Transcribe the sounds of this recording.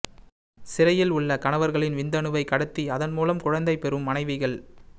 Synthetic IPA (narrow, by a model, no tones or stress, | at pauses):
sɪɾɐjɪlʊɭːɐkɐɳɐʋɐɾɣɐɭɪnʋɪnd̪ɐnɯʋɐɪkːɐɽɐt̪ːiɐðɐnmuːlɐmkʊɻɐnd̪ɐɪpːɛɾɯmːɐnɐɪʋɪɣɐɭ